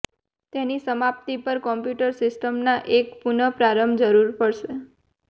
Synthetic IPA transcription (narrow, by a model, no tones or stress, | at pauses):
t̪enisəmap̚t̪ipəɾkɔmpjuʈəɾsɪsʈəmnaʔekpunəpɾaɾəmd͡ʒəɾuɾpəɭʃe